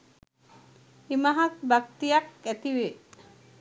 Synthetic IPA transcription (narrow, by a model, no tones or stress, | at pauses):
imaɦɐt̪bakt̪ijakæt̪iʋe